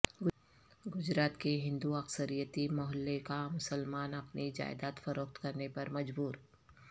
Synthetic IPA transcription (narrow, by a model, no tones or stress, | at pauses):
ɡʊd͡ʒɾaːt̪keɦɪ̃nd̪uɐksəɾijət̪imɔɦəlːekamʊsəlmaːnɐpnid͡ʒa̰ːɪd̪aːt̪fɐɾoːkt̪kɐɾnepɐɾmɐd͡ʒbuːɾ